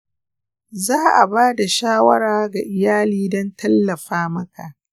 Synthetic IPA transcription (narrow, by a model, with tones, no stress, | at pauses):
zaː˦ʔa˨baː˦da˨ʃaː˦wɐ̰˦ɾaː˦ɡa˨ʔɪ˨jaː˦liː˦dɔ˦ntɐ˦lːɐ˨ɸaː˦mɐ˦ka˨ʔ